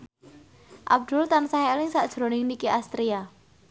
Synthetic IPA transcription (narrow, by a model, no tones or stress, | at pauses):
ʔa̰b̚d̪̥ʊlt̪ansaɦelɪŋsaʔd̥ʒ̥ɾo̤nɪŋnikiʔast̪ɾia